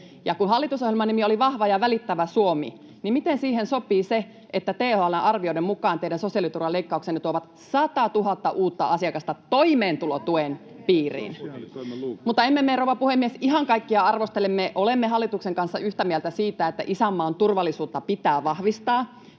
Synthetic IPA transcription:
jɑkunɦɑlːit̪usojelmɑnimioliʋɑhʋɑjɑʋælit̪ːæʋæsuomḭ | nimit̪ensiːhensopˑiːse | ʔet̪ːæt̪eːhoɑlːenʔɑrʋioidɾemmukɑːnt̪eiɾænso̞siɑlit̪urʋɑleikːɑuksenet̪uoʋɑt̪ | sɑt̪ɑt̪uɦɑt̪ːɑʔuːt̪ːɑɑsiɑkɑst̪ɑt̪oimeːnt̪ulot̪uen | piːrḭːn | mut̪ːɑemːemːeroʋɑpuhemːiesiɦɑŋkɑikːiɑɑrʋost̪elemːeʔolemːeɦɑlːit̪ukseŋkɑnsːɑyht̪æmielt̪æsiːt̪æet̪ːæ̰ʔisæmːɑont̪urʋɑlːˑisuːt̪ːɑpit̪æːʋɑhʋist̪ɑː

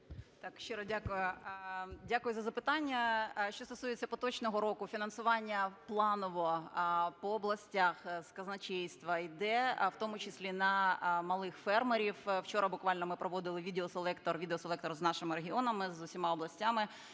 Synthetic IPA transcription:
t̪ɑkʃt͡ʃeɾɔdʲakʊjʊ | dʲakʊjʊzɐzɐpɪt̪ɑnʲːɐʃt͡ʃɔst̪ɔsujet͡sʲːɐpɔt̪ɔt͡ʃnɔɦɔɾɔkʊfʲinɐnsʊʋɑnʲːɐplˠɑnɔʋɔpɔːblˠɐsʲtʲaxskɐznɐt͡ʃɛjst̪ʋɐid̪ɛwt̪ɔmʊt͡ʃɪsʲlʲinɐmɐlˠɪxfɛrmeɾʲiwwt͡ʃɔɾɐbʊkʋɑlʲnɔmɪpɾɔʋɔd̪ɪlˠɪʋʲid̪eɔselˠɛkt̪ɔrʋʲid̪eɔselˠɛkt̪ɔrznɑʃɪmɪɾeɦʲiɔnɐmɪzʊsʲimɑɔblˠɐsʲtʲamɪ

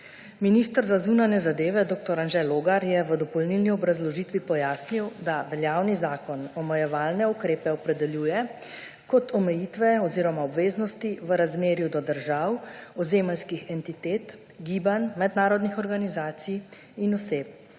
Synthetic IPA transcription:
miniːst̪əɾzazuːnanjɛzad̪eːʋɛd̪oːk̚t̪ɔɾanʒɛloːɡaɾjɛʋəd̪ɔpɔlnilniɔbɾazlɔʒiːt̪ʋipɔjaːsniwd̪aʋɛljaːwnizaːkɔnɔmɛjɛʋaːlnɛukɾeːpɛɔpɾɛd̪ɛljuːjɛ | kɔt̪ɔmɛjit̪ʋɛɔziːɾɔmaɔbʋeːznɔst̪iʋəɾazmeːɾjud̪ɔd̪əɾʒawɔzeːməlskixɛnt̪it̪eːt̪ | ɡiːbanmɛd̪naːɾɔd̪nixɔɾɡanizaːt̪sij | inɔseːp̚

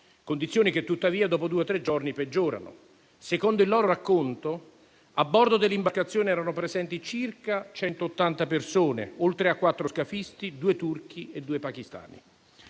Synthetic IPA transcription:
kond̪it̪sːjoːnik̟et̪ːut̪ːaviːad̪ɔːpod̪uːet̪ɾed͡ʒorniped͡ʒːoːɾa̰no̰ | sekond̪oilːɔːɾoɾakːont̪o | abːɔrd̪od̪elːimbaɾkat̪sːjoːniɛːɾanopɾezɛnt̪it͡ʃirkat͡ʃɛnt̪oːt̪ːant̪apersoːnḛolt̪ɾeakːwat̪ːɾoskafist̪id̪uːet̪urk̟ied̪ːuːepak̟ist̪a̰ːnḭ

